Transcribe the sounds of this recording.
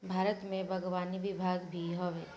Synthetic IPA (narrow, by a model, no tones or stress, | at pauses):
bʱaːɾət̪mẽbʱɐɡʋaːniʋɪbʱaːɡbʱiɦɔʋeː